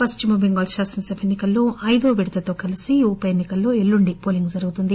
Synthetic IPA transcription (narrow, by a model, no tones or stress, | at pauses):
pɐst͡ʃumɐbiŋɡɐːlʃaːsɐnsɐbenːikɐlːo̞ːʔɐjd̪oːʋiɽt̪ɐt̪o̞ːkɐlisiupɐjenːikɐlːo̞ːelːuɳɖipoːliŋɡd͡ʒɐɾuɡut̪und̪i